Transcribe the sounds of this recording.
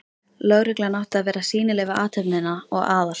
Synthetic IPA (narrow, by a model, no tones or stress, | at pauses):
lœɣɾɪklanawht̪aðvɛːɾasiːnɪlɛːvaʔaːt̪ʰœpnɪnaɔɣaːðal̥